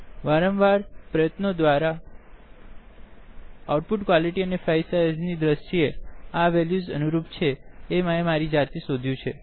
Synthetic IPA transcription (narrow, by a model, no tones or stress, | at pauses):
ʋaɾəmʋaɾpɾəjət̪nod̪ʋaɾa | auʈ̚puʈkwʋaliʈiənefajsaznid̪ɾəʃieaʋɛljuzə̰nuɾupt͡ʃʰeːmaemaɾid͡ʒaɾt̪isod̪ʱjũt͡ʃʰe